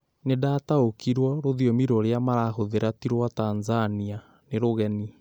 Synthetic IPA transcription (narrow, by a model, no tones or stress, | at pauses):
nedataokiɾwɔɾoðiomiɾɔɾeamaɾahoðeɾatiɾwatanzania | neɾoɣɛni